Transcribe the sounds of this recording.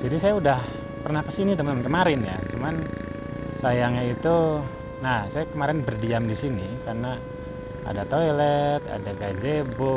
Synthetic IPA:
d͡ʒadisajaudah | pərnahkəsinit̪̬əmnkəmaɾɪnja̰t͡ʃuman | sajaŋait̪u | nahsajakəmaɾɪnbərdiamdisinikarna | ʔa̰dat̪ojlɛt̪a̰daɡazebo

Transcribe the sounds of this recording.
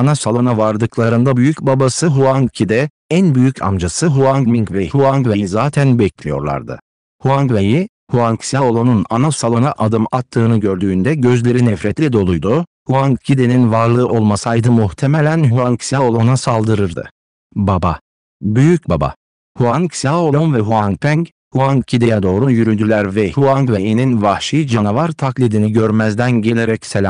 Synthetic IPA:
anasalˠo̞navaɾd̪ɯklˠaɾɯnd̪abyjycbabasɯɦuaŋcʰid̪ɛ | ænbyjycʰa̰md͡ʒasɯɦuaŋkmiŋkvɛhuaŋkvejizaːt̪ʰænbɛclʲijo̞̰ɾlˠa̰ɾd̪ɯ̰ | huaŋɡveji | huaŋksjaolˠo̞nunanasalˠo̞naʔad̪ɯmat̪ʰːɯːnɯɟø̞ɾd̪yːnd̪ɛɟø̞zlʲe̞ɾinɛfɾɛt̪lʲid̪o̞lˠujd̪uhuaŋcʰid̪eninvaɾlˠɯʔo̞lˠmasajd̪ɯmuht̪ʰe̞melʲænɦuaŋksjaolˠo̞nasalˠd̪ɯɾɯɾd̪ɯ̰ | baba | byjyc̚baba̰ | huanksaolˠonvɛɦuaŋkpʰæŋc | huaŋcʰid̪ejɛd̪o̞ːɾujyɾyd̪ylʲæɾvɛhuaŋɡvejininvahʃid͡ʒanavaɾt̪ʰaklʲid̪iniɟøɾmæzd̪ænɟe̞lʲeɾɛcselʲam

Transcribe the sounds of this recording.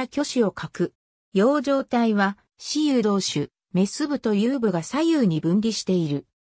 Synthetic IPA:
kʲo̞ɕio̞kʰakɯ̟ | jo̞ːʑo̞ːt̪aiβa | ɕijɯ̟ːd̪o̞ːɕɨ | me̞sɨbɯ̟t̪o̞jɯːbɯ̟ɡasajɯ̟ːɲ̟ibɯ̟̃nɾʲiɕi̥t̪e̞iɾɯ̟

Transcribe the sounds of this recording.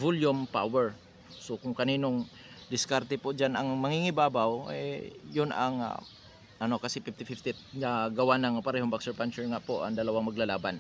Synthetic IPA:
vuljʊmpa̰wɛɹ | sokʊŋkɐniːnoŋ | d̪ɪskaɾt̪ɛpʊʔd͡ʒanaŋmɐŋiŋɪbaːbawɛ̰jʊna̰ŋ̰ | ʔɐnokasɛpift̪ɪfift̪it̪̚ŋaɡɐwanaŋpaɾɛɦoŋbaksɛɹpant͡ʃɛɹŋaʔpoʔa̰ŋd̪ɐlawaŋmɐɡlalaːban

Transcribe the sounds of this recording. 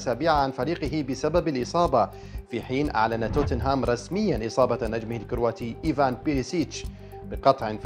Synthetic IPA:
saːbiʕaʕanfaɾiːqɪɦɪbɪsababɪlʔɨsˤɑːbɑ | fiħiːnʔa̰ʕlanat̪oːt̪ɪnɦaːmɾˤɑsmɪjːanʔɨsˤɑːbɑnad͡ʒmɪhalkʊɾwaːt̪iʔiːvaːnpɪɾɪsiːt͡ʃ | bɪqɑt̪ˤʕɪnf

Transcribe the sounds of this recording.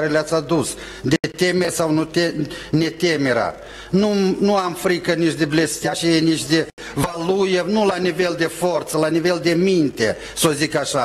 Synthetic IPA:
ɾeleat̪sʲad̪us | d̪et̪emesawnut̪ene̞t̪emeɾa̰ | nunuamfɾikənit͡ʃd̪eble̞st̪jat͡ʃejenit͡ʃd̪e | valujenulanive̞ld̪e̞fort̪səlanive̞ld̪e̞mint̪e | sozikaʃa

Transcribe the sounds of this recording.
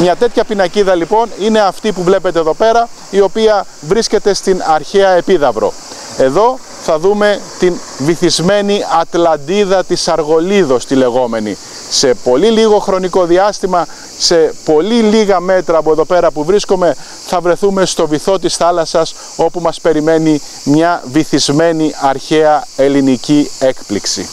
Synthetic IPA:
mɲɐt̪e̞t̪çɐpinɐciðɐlipo̞nine̞ɐft̪ipuvle̞pe̞t̪eːðo̞pe̞ɾɐ | io̞piɐ | vɾisce̞t̪e̞st̪inɐɾçeɐe̞piðɐvɾo̞̰ | e̞ðo̞ | θɐðume̞t̪in | viθizme̞niɐt̪lɐnd̪iðɐt̪isɐɾɣo̞liðo̞st̪ile̞ɣo̞me̞nḭ | se̞po̞liliɣo̞xɾo̞niko̞ðiɐst̪imɐ | se̞po̞liliɣɐme̞t̪ɾɐːpoeðo̞pe̞ɾɐpuvɾiskome̞ | θɐvɾe̞θume̞st̪o̞viθo̞t̪isθɐlɐsɐs | o̞pumɐspe̞ɾime̞ni | mɲɐviθizme̞niɐɾçeɐe̞linicie̞kpliksḭ

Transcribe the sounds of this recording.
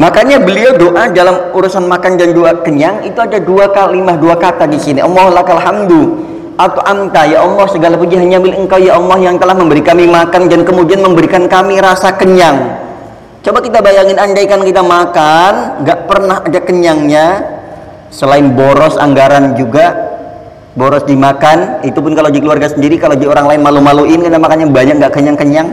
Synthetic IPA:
makaɲabəliawdoʔadalamuɾusanmakandanduakəɲaŋit̪uadaduakalimahduakat̪adisiniʔɔmɔhlahkalɦamd̪ul | at̪aʔant̪ajaʔɔlːɔhsəɡalapud͡ʒiɦanɲambiləŋkawjaʔɔlːɔhjaŋt̪əlahməmbəɾikamimakandankəmudianməmbəɾikankamiɾasakəɲaŋ | t͡ʃobaʔkit̪abajaŋɪnand͡ʒaikankit̪amakanŋɡaʔpərnaɦadakəɲaŋɲa | səlaɪnboɾɔsa̰ŋɡaɾand͡ʒuɡa | boɾɔsdimakanit̪upʊnkaladikəluarɡasəndiɾikalodioɾaŋlaɪnmalumaluɪnkit̪amakanɲabaɲak̚ŋɡaʔkəɲaŋkəɲaŋ

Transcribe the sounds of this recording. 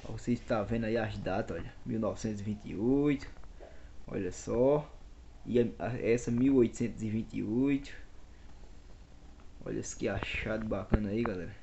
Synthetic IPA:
ɔ̰voseiʃt̪avẽnd̪ʊaiazd̪at̪ɐɔʎɐmiwnɔvisẽt̪ʊzivĩt̪ḭojt̪ʊ̥ | ɔ̰ʎɐsɔ | iɐaɛsɐmiwojt̪u̥sẽnt̪ʊzivĩnt̪ḭojt̪ʊ̥ | ɔ̰ʎɐ̰skɛaʃad̪ʊbakɐ̃nɐaiɡalɛɾɐ

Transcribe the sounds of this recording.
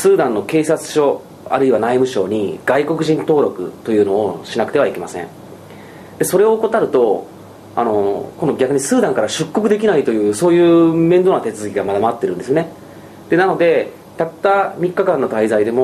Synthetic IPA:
sɨːd̪ãnːo̞ke̞ːsat͡sɨ̥ɕo̞ | a̰ɾɯ̟iβanaimɯ̟ɕo̞̰ːɲ̟iɡ̥aiko̞kɯ̟ʑĩnt̪o̞ːɾo̞kɯ̟̰t̪o̞jɯ̟ːno̞ːɕinakɯ̟t̪eβaike̞masḛ̃ŋ | d̪e̞so̞ɾe̞o̞ːko̞t̪aɾɯ̟t̪o̞ | a̰no̞ko̞no̞ɡʲakɯ̟ɲ̟isɨːd̪ãŋkaɾaɕɨkːo̞kɯ̟d̪e̞kʲinait̪o̞jɯ̟ːso̞ːjɯ̟ːmẽnd̪o̞nat̪e̞t͡sɨzɨkʲiɡamad̪amaat̪ːe̞ɾɯ̟nd̪e̞sɨjone | d̪̥e̞nano̞d̪e̞ | t̪at̪ːamʲikːakãnːo̞t̪aizaid̪e̞mo

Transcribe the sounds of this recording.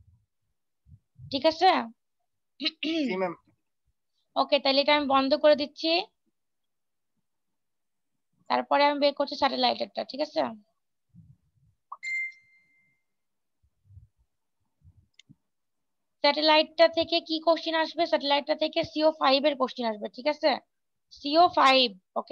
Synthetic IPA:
ʈʰikat͡ɕʰe | oket̪aliʈaamibɔnd̪ʱokoɾed̪itːɕʰi | t̪a̰ɾpɔɾeamibeɾkoɾt͡ɕʰisɛʈelajʈeʈ̚ːaʈʰikat͡ɕʰe | sɛʈelajʈ̚ːat̪ʰekekikoʃʈinaʃbesɛʈelajʈ̚ːat̪ʰekesiofajbeɾkoʃʈinaʃbeʈʰikat͡ɕʰe | siofajb̚oke

